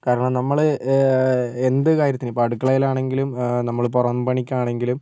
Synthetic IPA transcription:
kaːɾɐɳɐmnɐmːɐɭɨ | e̞nd̪ɨkaːɾjɐt̪ːinɨpaːʈukːɐɭɐjilaːɳe̞ŋɡilumnɐmːɐɭporɐnbɐɳikʲːaːɳe̞ŋɡilum

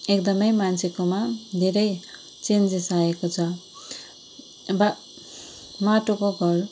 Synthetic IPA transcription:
ek̚d̪ʌmʌjmant͡sʰekomad̪ʱeɾʌj | t͡send͡zisaekot͡sʰʌ | ba | maʈokoɡʱʌr

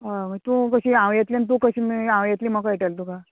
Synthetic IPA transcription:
ɦamət̪ũkəɕiːãʋjet̪lint̪̬ukəɕiːmiãʋjet̪liːməkajʈəlt̪uka

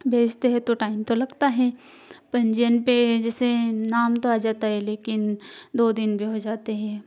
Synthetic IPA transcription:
bʱeːd͡ʒt̪eɦɛ̃t̪oʈaːɪmt̪olɐɡt̪aɦɛ̃ː | pɐ̃ɲd͡ʒijənped͡ʒɛːsenaːmt̪oaːd͡ʒaːt̪aɦɛleːkɪnd̪oːd̪ɪnbʱiɦod͡ʒaːt̪eɦɛ̃ː

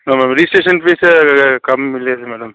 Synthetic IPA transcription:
noːmɛːɽɐmɾiːsʈeːʃɐnpeːskɐmːɪljaːd̪ɯmɛːɽɐm

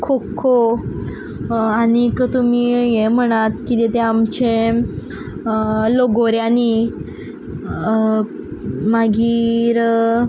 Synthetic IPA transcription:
kʰokʰːo | añikət̪umiːjem̤əɽ̃at̪kit̪et̪eamt͡ɕe | loɡoɾjani | maɡiːɾ

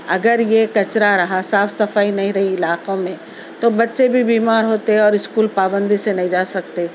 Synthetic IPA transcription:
ɐɡəɾjekɐt͡ʃɾaɾɐɦasaːfsɐfaːinɐɦĩɾɐɦiɪlaːqõmẽ | t̪obɐtːʃebʱibiːmaːɾɦoːt̪eɦɛɔːɾɪskuːlpaːbə̃nd̪isenɐɦĩd͡ʒaːsɐk̚t̪e

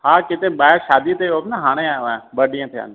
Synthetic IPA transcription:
haːkɪt̪ẽɓaːɪɾʃaːd̪it̪eoːbnaɦaːɽ̃eaːʋãbəɗijə̃t̪ʰɪa̰ːn

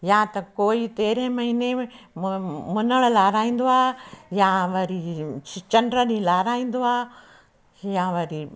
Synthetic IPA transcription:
jãːt̪ɐkoːit̪eːɾẽmɐɦɪne | mʊnəɭ̃laːɾaːĩːn̆d̪oaːɦjãʋɐɾit͡ʃɐɳɖɾəɗĩlaːɾaːĩːn̆d̪oaː | jãʋɐɾi

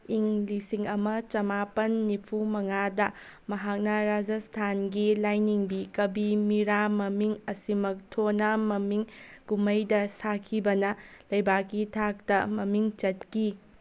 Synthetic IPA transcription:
iŋlisiŋɐmɐt͡ʃɐmapɐnːipʰumɐŋadɐmɐɦak̚nɐɾad͡ʒɐstʰanɡilajniŋbikɐbimiɾamɐmiŋɐsimɐk̚tʰonɐmɐmiŋɡumɐjdɐsakʰibɐnɐlɐjbakːitʰak̚tɐmɐmiŋt͡ʃɐt̚ki

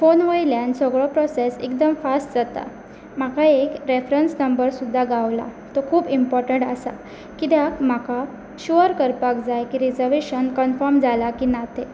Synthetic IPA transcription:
fonʋəjljansəɡɭɔpɾɔsesḛkd̪əmfasʈd͡zat̪a̰ | makaekɾefɾənsnəmbəɾsud̪ʱːaɡaʋla̰ | t̪okʰuːpimpɔɾʈəɳʈəsa̰ | kit̪eakm̤aka | ɕuəɾkəɾpakd͡zajkiɾid͡zəɾʋeɕənkənfəɾmd͡zalakiːnat̪ʰe

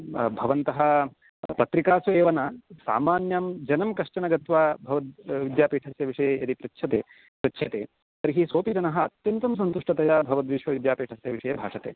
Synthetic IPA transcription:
bʱɐʋɐnt̪ɐɦɐ̆ | pɐt̪ɾikaːsɐeːʋɐnɐsa̰ːmaːnjaːmd͡ʒɐnɐmkɐʂt͡ʃɐnɐɡɐt̪ʋaːbʱɐʋɐt̪ʋid̪jaːpiːʈʰɐsjɐʋiʂɐjɐjɐd̪ipɾɐtːʃʰɐt̪eː | pɾɐtːʃʰɐt̪eː | sɐɾiɦisoːpid͡ʒɐnɐɦɐɐt̪jɐnt̪ɐms̬ɐnt̪uʂʈɐt̪ɐjaːbʱɐʋɐt̪ʋiʂʋɐʋid̪jaːpiːʈʰɐsjɐʋiʂɐjɐbʱa̰ːʂɐt̪eː

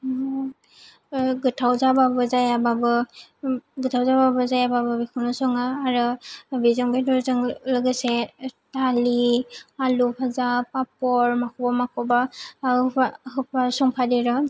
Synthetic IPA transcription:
ɡɯtʰawzababɯzajababɯ | ɡɯtʰawzababɔzajababɯbikʰunɔsɔŋaːɾɯbizɔŋbedɔzɯŋlɔɡesetalialupʰazapapɔɹmakɔbɔmakʰɔba | aɦɯpasɔŋpʰadiɾɔ

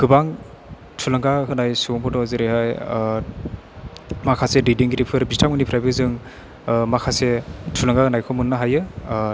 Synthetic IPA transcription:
ɡ̥ɯbaŋ | tʰulaŋɡakʰɯnajsuŋbɔdɔzɯɾehaj | makʰasedidiŋɡiɾipʰɯɾbistʰamɯnipʰɾajbɯzɯŋ | makʰasetʰulaŋɡakɯnajkʰɔmunːaɦajɯ

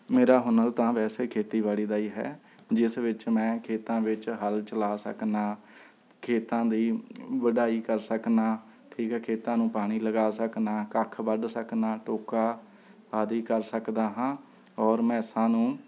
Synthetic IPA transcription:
meːɾaːɦʊnəlt̪ãːʋɛːseːkʰeːt̪iːʋaːliːd̪aːiːɦɛ̰ː | d͡ʒɪsʋɪt͡ʃmɛ̃ːkʰeːt̪ãːʋɪt͡ʃɦəlt͡ʃəlaːsə̰knaː | kʰeːt̪ãːd̪iːʋəɖaːiːkəɾsəknaː | ʈʰiːkɦɛːkʰeːt̪ãːnũːpaːɽ̃iːləɡaːsəknaːkəkʰbəɖsəknaːʈoːkaː | aːd̪iːkəɾsəkd̪aːɦãː | ɔːɾmɛ̃ːsãːnũː

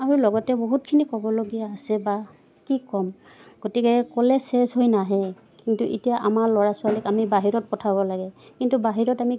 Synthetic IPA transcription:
aɹulɔɡɔtɛboɦut̚kʰinikɔbɔloɡijaːsɛba | kikɔm | ɡ̥otikɛkɔlɛsɛzɦojnaɦɛ | kintuʔḭtijaʔamaɹlɔɹasʊalikamibaɦiɹɔt̚pɔtʰaβɔlaɡɛkintubaɦiɹɔtami

